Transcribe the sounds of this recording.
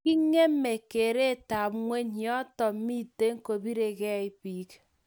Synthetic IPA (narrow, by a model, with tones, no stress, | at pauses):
ki˦ŋe˦m̩˦me˨ke˨ɾe˦˨ta˨pŋʷe˦ɲi˨ɔ˦tɔ˨m˦mi˦te˦ŋ̩˦ko˨bi˦ɾe˨ɡe˦˨i˦pi˨˦k